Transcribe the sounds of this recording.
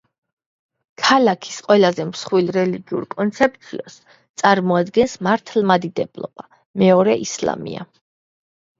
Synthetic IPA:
kʰalakʰi̥sqʼwɛlazɛmsχwilɾɛliɡiṵɾkʼɔnt̪sʰɛp̚ʼt̪sʰiɔ̰s | t̪sʼaɾmɔad̪ɡɛnsmaɾt̪ʰlˠmad̪id̪ɛblˠɔ̰b̥a | mɛɔɾɛʔisla̰mḭa̰

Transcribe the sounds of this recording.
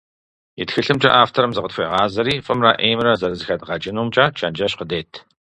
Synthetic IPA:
jɪtxɨɬɨmt͡ʃʼɐ̰ʔaːftʰɐɾɐmzɨqətxʷejʁɑːzɐɾiːfʼɨmra̰ːʔeːmrɐzɐrɐzɨxɐdʁɑd͡ʒʼɪnuːmt͡ʃʼaːt͡ʃʰɐnd͡ʒɐɕqədeːtʰ

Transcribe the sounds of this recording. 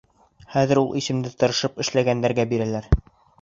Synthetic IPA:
χæðɘ̆ɾulˠʔisɘ̆md̪ɘt̪ɤ̆ɾɤ̆ʃɤpɘ̆ʃlæɡænd̪æɾɡæbiɾælæɾ

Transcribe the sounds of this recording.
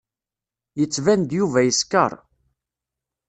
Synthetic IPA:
jət͡sːvænd̪juvæjəskə̰ɾˤ

